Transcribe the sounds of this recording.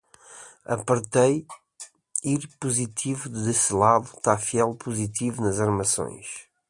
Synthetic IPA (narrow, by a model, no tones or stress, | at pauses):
ɐ̰pɐɾt̪ej | iɾpuzit̪ʰivud̪esɨlˠaðut̪afiɛlˠpuzit̪ivunɐzɐɾmɐsõ̰j̃ʃ